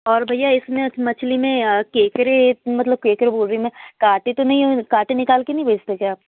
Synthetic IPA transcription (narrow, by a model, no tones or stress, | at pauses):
ɔːɾbʱɐjaɪsmẽɐmɐt͡ʃʰlimẽkeːkɾemɐt̪ləb̚keːkɾeboːlɾəimẽkaːʈẽt̪onɐɦĩkaːʈẽnɪkaːlkenɐɦĩbʱeːd͡ʒt̪ekeaːp̚